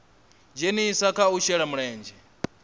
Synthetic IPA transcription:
d͡ʒenisakʰauʃɛɺamuɺɛːnd͡ʒɛ

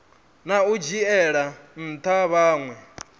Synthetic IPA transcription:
naud͡ʒiɛɺan̩t̪ʰaβaːŋwɛ

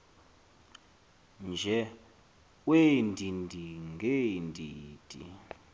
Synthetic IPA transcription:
nd͡ʒʱɛ | wendʱindʱiŋɡendʱiːd̥ʼʱḭ

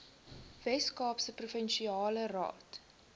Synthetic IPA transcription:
vɛskɑːpsəprufənʃiɑːlərɑ̰ːt

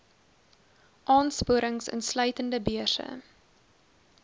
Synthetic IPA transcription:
ʔɑːnspuəɾəŋsə̰nslœɥtəndəbiəsə̰

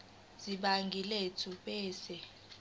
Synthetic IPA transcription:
z̥iɓaŋɡʱiletʰuɓɛːsɛ

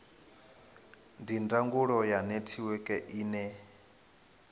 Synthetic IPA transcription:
ndindaŋɡuɺɔjanetʰiwɛkʼɛʔiːnɛ

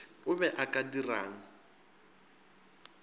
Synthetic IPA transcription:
ʊβɛʔakʼadira̰ːŋ̩

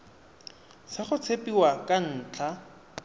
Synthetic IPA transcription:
sɪχʊt͡sʰepʼiwakʼan̩ːt͡ɬʰa

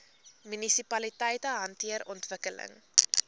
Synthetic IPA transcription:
mynisipɐlitɛjtəɦɐntiəɾɔntvəkələ̰ŋ

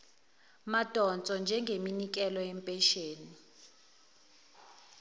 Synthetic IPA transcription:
mad̥ʼʱɔnt͡sʼɔnd͡ʒʱɛŋɡʱeminik̬ʼɛlɔɛmpʼɛʃeːni

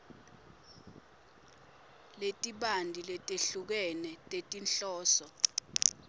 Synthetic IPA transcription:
letʼiɓandʱilɛtʼeɬuk̬ɛnɛtʼetʼinɬɔːsɔ

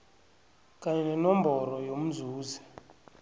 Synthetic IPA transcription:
kʼaɲɛnɛnɔmbʱɔɾɔjom̩zuːzɛ

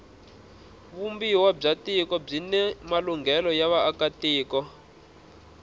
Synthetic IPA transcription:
βumbiwab͡ʐatikɔb͡ʐinɛmaluŋɡɛlɔjaβaːkatiːkɔ

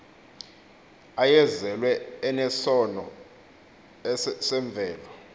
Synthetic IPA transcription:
ajɛzɛlwɛːnɛsɔnɔ | sɛɱb̪vʱɛːlɔ

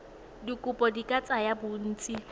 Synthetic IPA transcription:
dikʼʊpʼɔdikʼat͡sʼajabʊn̩ːt͡sʼi

